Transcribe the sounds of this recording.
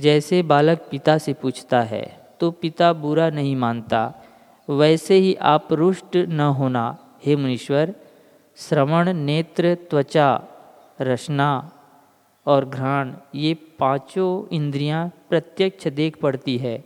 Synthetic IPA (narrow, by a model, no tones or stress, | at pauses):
d͡ʒɛːsebaːlək̚pɪt̪asepuːt͡ʃʰt̪aɦɛ̰ːt̪opɪt̪abʊɾanɐɦĩmãːnt̪a̰ | ʋɛːseɦiʔaːpɾʊʃʈnɐɦoːna | heːmənɪʃʋəɾ | sɾəməɽ̃neːt̪ɾət̪wət͡ʃa | ɾɐʃna | ɔːɾɡʱɾãːɳ̃jepãːt͡ʃoɪ̃nd̪ɾijãpɾɐt̪jəkt͡ʃʰəd̪eːkʰpɐɽt̪iɦɛː